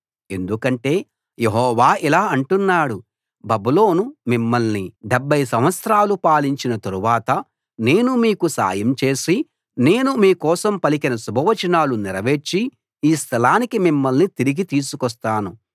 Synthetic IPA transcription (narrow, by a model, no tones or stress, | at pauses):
e̞nd̪ukɐɳʈe̞ː | jeɦɔːʋaːʔilaːɐɳʈunːaːɽu | bɐbulo̞ːnumimːɐlniɖebʱːɐjsɐmʋɐt̪sɾaːlupaːliɲt͡ʃinɐt̪ɐɾuʋaːt̪ɐ | ne̞ːnumiːkusa̰ːjɐmt͡ʃe̞ːsi | ne̞ːnumiːkɔːsɐmpɐlikinɐsubʱɐʋɐt͡ʃɐnaːluniɾɐʋe̞ːt͡ʃːi | iːst̪ʰɐlaːnikimimːɐlnit̪iɾiɡit̪iːsukɔs̬t̪aːnu